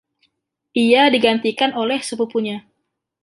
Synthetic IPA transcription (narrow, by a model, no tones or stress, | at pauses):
ʔiadiɡant̪ikanolɛhsəpupuɲa